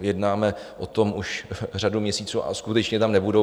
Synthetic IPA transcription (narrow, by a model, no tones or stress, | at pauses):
jɛdnaːmɛʔot̪o̞muʃr̝adumɲɛsiːt͡suːʔa̰skut̪ɛt͡ʃɲɛt̪amnɛbudo